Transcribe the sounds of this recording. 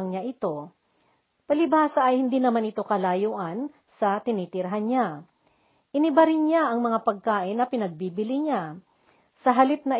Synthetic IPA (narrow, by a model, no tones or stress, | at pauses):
ŋɲaʔɪt̪o̞ | pɐlɪbaːsɐʔɐjhɪnd̪iːnɐmanɪt̪o̞kɐlaːjoːʔɐn | sɐt̪ɪnit̪ɪɾɦanɲa | ʔɪnɪbɐɾɪnɲaʔɐŋmɐŋapɐɡ̚kaːʔɪnːɐpɪnɐɡ̚biːbɪlɪɲa | sɐɦɐlɪp̚nɐ